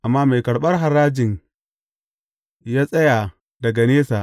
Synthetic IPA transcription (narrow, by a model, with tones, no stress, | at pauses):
ʔa˨mːaː˦me˨jkɐ˨ɽɓɐ˦rɦa˨ɾaː˦d͡ʒɪ˨ŋ | jaː˦sʼɐ˦jaː˨ | dɐ˨ɡa˨neː˦saː˨ʔ